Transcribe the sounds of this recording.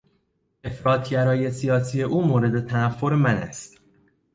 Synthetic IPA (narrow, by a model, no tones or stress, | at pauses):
ʔe̞fɾɒːt̪ʰɟæɾɒːje̞sijɒːsije̞ʔuːmoːɾe̞d̪e̞t̪ʰænæfːo̞ɾemænæ̰st̪